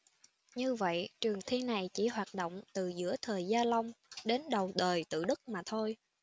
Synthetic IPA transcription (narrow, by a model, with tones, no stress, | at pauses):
ɲɨ˧və̰˧˨jt͡ɕɨ˨˩əŋt̪ʰi˧na˨˩jt͡ɕḭ˧˥ɦwaː˨˩t̚ɗo̰˧˨wŋ͡mt̪ɨ˨˩zɨ̰˧˥ət̪ʰəː˨˩jzaː˧la˧wŋ͡mɗe˨˦nɗə˨˩wɗəː˨˩jt̪ɨ̰˧˨ɗɨ˦˥k̚maː˨˩t̪ʰo˧j